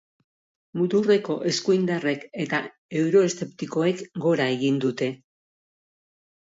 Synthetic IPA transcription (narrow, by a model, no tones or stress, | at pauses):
mut̪ure̞ko̞ʔe̞skujnd̪are̞ke̞t̪a | e̞wɾo̞e̞st̪e̞pt̪iko̞ekɡo̞ɾae̞ɣind̪ut̪e̞